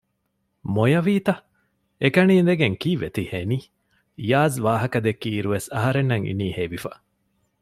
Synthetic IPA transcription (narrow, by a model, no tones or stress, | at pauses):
mojɐʋiːt̪ɐ | ekɐniːnd̪eɡeŋkiːʋet̪iheniː | jaːzʋaːɦɐkɐd̪ekːiːɾuʋesɐɦɐɾenːɐŋḭniːheːʋifɐ